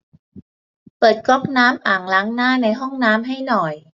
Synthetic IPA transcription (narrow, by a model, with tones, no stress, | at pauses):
pɤː˨˩t̪̚kɔ˦˥p̚naː˦˥mʔaː˨˩ŋlaː˦˥ŋnaː˥˩na˧jɦɔ˥˩ŋnaː˦˥mɦa˥˩jnɔ˨˩j